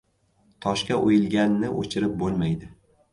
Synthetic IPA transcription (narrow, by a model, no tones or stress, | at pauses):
t̪ʰɒʃkʲaʔojɪlˠɡʲanːɪʔo̰t͡ʃʰɪɾɪp̚bolˠmajd̪ɪ